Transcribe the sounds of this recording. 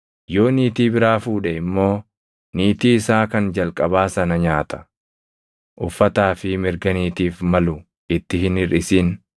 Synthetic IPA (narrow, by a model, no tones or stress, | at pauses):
jo̞ːniːt̪iːbɪɾaːfuːᶑɛɪmːo̞ː | niːt̪iːɪsaːkɐnd͡ʒɐlkʼɐbaːsɐnɐɲaːt̪ʰɐ̥ | ʔʊfːɐt̪aːfɪmɪɾɡɐniːt̪iːfmɐlʊ | ɪt̪ːɪɦɪnɪɾɪsiːn